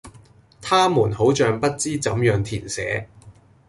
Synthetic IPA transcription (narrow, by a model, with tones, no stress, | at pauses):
t̪ʰaː˥muː˨˩nho˨˥wt͡ʃœː˨˧ŋpɐ˥t̚t͡siː˥t͡sɐ˨˥mjœː˨˧ŋt̪ʰiː˨˩nsɛ̰ː˨˥